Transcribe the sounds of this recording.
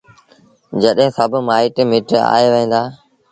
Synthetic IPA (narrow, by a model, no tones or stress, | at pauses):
d͡ʑəɗɦɪ̃ːsəbʱmaːɪʈmɪːʈa̰ːeːʋəĩːnd̪aː